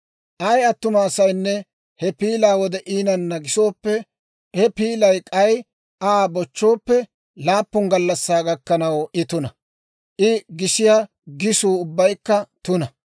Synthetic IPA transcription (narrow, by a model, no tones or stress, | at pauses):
ʔɐjɐt̪ːʊmaːsɐjnːɛ | hɛpiːlaːwɔd̪ɛʔiːnɐnːɐɡɪso̞ːpːɛ | hɛpiːlɐjkʼɐj | ʔaːbɔt͡ʃːo̞ːpːɛ | laːpːʊŋɡɐlːɐsːaːɡɐkːɐnɐwʔɪt̪ʊnɐ | ʔɪɡɪʃɪjaː | ɡɪsuːʊbːɐjkːɐt̪ʊnɐ